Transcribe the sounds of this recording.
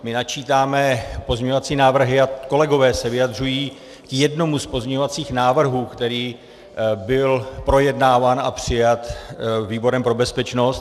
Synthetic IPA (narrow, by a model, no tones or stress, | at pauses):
mɪnat͡ʃiːt̪aːmɛpo̞zɲɛɲovat͡siːnaːvr̩ɦɪako̞lɛɡo̞vɛːsɛvɪjad̪r̝ujiː | kjɛdno̞muspo̞zɲɛɲovat͡siːxnaːvr̩ɦuːkt̪ɛɾiː | bɪlpɾo̞jɛdnaːvaːna̰pr̝̥ɪjat̪viːbo̞ɾɛmpɾo̞bɛspɛt͡ʃno̞st̪